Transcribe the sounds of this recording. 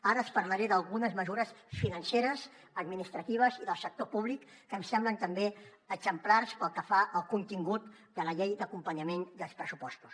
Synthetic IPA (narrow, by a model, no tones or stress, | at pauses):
aɾəːspəɾləɾeðəlˠɣunəzməzuɾəsfinənseɾəz | əd̪minist̪ɾət̪iβ̞əziðəlˠsək̚t̪opuβ̞likːəmsɛmblənt̪əmbe | əɡz̥əmplarspəlˠkəfaʔəlˠkunt̪iŋɡut̪ | d̪ələʎejd̪əkumpəɲəmend̪əlˠspɾəsupɔst̪u̥s